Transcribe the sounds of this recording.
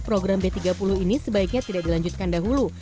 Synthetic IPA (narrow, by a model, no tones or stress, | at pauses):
pɾoɡɾambet̪iɡapulʊhinisəbaɪk̚ɲat̪idaʔ̚dilaɲd͡ʒut̪̚kandaɦulu